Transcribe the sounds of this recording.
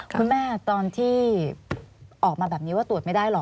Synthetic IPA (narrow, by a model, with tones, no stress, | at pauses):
kʰu˧nmɛː˥˩t̪ɔː˧nt̪ʰiː˥˩ | ʔɔː˨˩k̚maː˧bɛː˨˩p̚ni˦wa˥˩t̪u˨˩ət̪̚ma˥˩jdaː˥˩jlɔ˨˩